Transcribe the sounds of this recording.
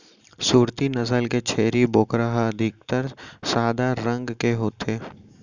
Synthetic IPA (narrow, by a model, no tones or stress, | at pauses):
suːɾt̪inɐsəlket͡ʃʰeːɾiboːkɾaɦaɐd̪ʱɪk̚t̪əɾsaːd̪aɾə̃ŋɡkeɦoːt̪eː